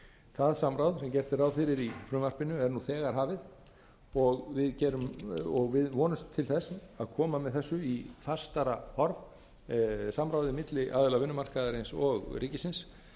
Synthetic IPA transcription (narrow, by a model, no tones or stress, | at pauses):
θaðsamɾawðsɛmcɛr̥t̪ɪɾawfɪɾɪɾifɾʏːmvar̥pɪnʏɛɾnuθɛːɣaɾ̥ɦaːvɪð | ɔɣvɪðcɛːɾʏmɔɣvɪðvɔːnʏst̪ʰːɪlθɛsaðkʰɔːmamɛðθɛsːʏiθar̥st̪aɾahɔɾv | samɾawðɪmɪt̪lɪʔa̰ːðɪlavɪnːʏmar̥kaðaɾɪnsɔɣriːcɪsɪns